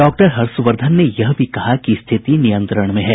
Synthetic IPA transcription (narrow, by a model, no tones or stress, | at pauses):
ɖɔːk̚ʈəɾɦɐɾsʊʋəɾd̪ʱənːejɐɦbʱikɐɦakist̪ʰɪt̪inijə̃nt̪ɾəɽ̃mẽɦɛː